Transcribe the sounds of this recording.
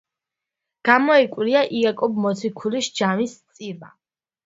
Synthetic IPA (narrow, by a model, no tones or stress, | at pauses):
ɡ̥amɔɛkʼwɾiaʔiakʼɔbmɔt̪sʰikʰulisd͡ʒamist̪sʼiɾba̰